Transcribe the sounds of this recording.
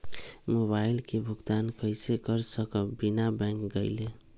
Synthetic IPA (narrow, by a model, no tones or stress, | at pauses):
moβajlkebʱuɡd̪ankəɪsekəɾsəkəbinabɛ̃ŋkɡəɪle